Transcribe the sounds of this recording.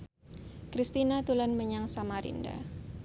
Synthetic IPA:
kɾist̪inat̪ulanməɲaŋsamaɾḭnda̰

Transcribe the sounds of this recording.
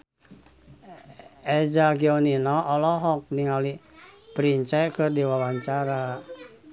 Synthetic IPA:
ɛd͡ʒaɡiɔninɔʔːlɔɦɔk̚niŋalipɾiɲt͡ʃɛkərdiwawaɲt͡ʃaɾa

